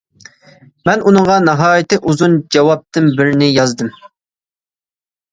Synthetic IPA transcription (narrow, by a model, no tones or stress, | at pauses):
mɛnʔunɨɴʁɑnɑɦɑːjɪt̪ɪʔuzund͡ʒɛwɑp̚t̪ɪnbɪɾnɪjɑzd̪ɨm